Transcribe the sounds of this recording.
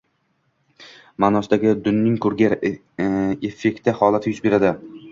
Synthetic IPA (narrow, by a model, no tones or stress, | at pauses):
manɒsd̪aɡʲɪd̪ʊnːɪŋkʰɵɾɡʲaɾ | efːe̞k̚ʲt̪ːɪhɒlˠat̪ʰɪjʊzbe̞ɾad̪ɪ